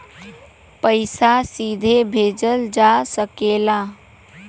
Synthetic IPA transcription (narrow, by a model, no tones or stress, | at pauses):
pəɪsasid̪ʱebʱed͡ʒəld͡ʒasəkela